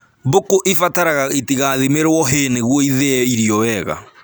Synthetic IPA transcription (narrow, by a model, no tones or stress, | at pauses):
bokoʔifataɾaɣaetiɣaðemeɾwɔɦeneɣwɔiðeɛiɾiɔwɛɣa̰